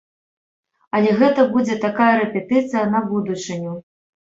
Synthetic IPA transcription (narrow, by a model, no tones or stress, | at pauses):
ɐlʲɛɣɛt̪ɐbud͡zʲɛt̪akajɐɾɛpʲɛt̪ɨt̪sɨjɐnɐbud̪ut͡ʂɨnʲu